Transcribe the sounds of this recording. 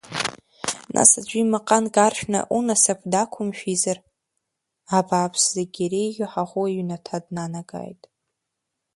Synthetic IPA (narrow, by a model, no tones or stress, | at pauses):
nʔa̰sad͡ʒʷimaqʼanɡʼarʃᶣna̰ʔunasapʰdakʷʰʊmʃᶣizar | abaːpʰszaɡʲaɾejɡʲɪħaʁʷuɥnatʰadnanaɡa̰jtʼ